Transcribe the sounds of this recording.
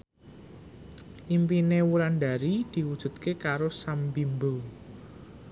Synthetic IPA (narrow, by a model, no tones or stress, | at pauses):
ʔimpinewulanɖ̪a̤ɾid̪̥i̤wud̥ʒ̥ṳt̪̚kekaɾosambimbo